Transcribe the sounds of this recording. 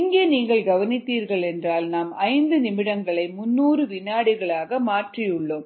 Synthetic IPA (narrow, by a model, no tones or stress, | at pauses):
ɪŋɡeːniːŋɡɐɭɡɐʋɐnɪt̪ːiːɾɣɐɭɛndraːlnaːmɐɪnd̪ɯnɪmɪɽɐŋɡɐɭɐɪmʊnːuːrɯʋɪnːaːɽɪɣɐɭaːɣɐmaːʈrijʊɭːoːm